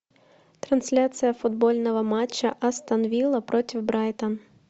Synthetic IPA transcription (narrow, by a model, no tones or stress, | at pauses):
t̪ɾɐnsʲlʲat̪sɨjɐfʊd̪̚bolʲnɔʋɐmat͡ʃːɐʔɐst̪ɐnɔʋʲilˠɐpɾɔtʲɪwbɾɑjt̪ɐn